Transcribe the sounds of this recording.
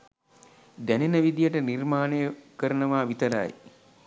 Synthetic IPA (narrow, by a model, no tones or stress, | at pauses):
d̪ænenəʋid̪ijəʈənirmaːnejəkəɾənəʋaːʋit̪ɐɾa̰j